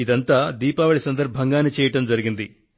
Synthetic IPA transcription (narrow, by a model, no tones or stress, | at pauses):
id̪ɐnt̪aːd̪iːpaːʋɐɭisɐnd̪ɐɾbʱɐŋɡaːnːit͡ʃɛːjɐʈɐmd͡ʒɐɾiɡind̪i